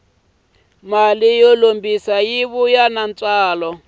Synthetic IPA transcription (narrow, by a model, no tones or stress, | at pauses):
malijɔlombisajiβujanant͡sʼwaːlɔ